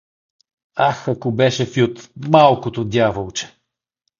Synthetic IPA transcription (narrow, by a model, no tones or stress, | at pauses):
axɐkobɛʃɛfjut̪malˠkot̪od̪ʲjavolˠt͡ʃɛ̥